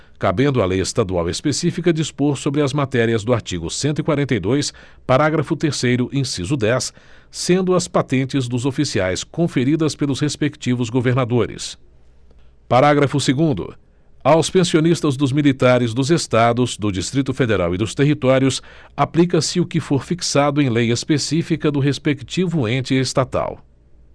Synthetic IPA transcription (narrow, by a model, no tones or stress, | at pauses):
kabẽnd̪ʊɐ̰lejest̪ad̪uawespesifikɐd͡ʒispoɾsobɾɪɐzmat̪ɛɾiɐzd̪ʊaɾt͡ʃiɡʊsẽnt̪ʊikwaɾẽnt̪ejd̪ojs | paɾaɡɾɐfʊt̪eɾsejɾʊʔẽsizʊd̪ɛsː | ẽnd̪ʊɐspat̪ẽnt͡ʃɪzd̪ʊzofisiajskõfeɾid̪ɐspelʊshespekt͡ʃivʊzɡoveɾnad̪oɾɪ̰s | paɾaɡɾɐfʊseɡũnd̪ʊ̰ | awspẽsionist̪ɐzd̪ʊzmilit̪aɾɪzd̪ʊzest̪ad̪ʊzd̪ʊd͡ʒist̪ɾit̪ʊfed̪eɾa̰wid̪ʊst̪eɦit̪ɔɾjʊsaplikɐsɪʊkɪfoɾfiksad̪ʊẽj̃lejɐespesifikɐd̪ʊɦespekt͡ʃivʊẽnt͡ʃɪest̪at̪a̰w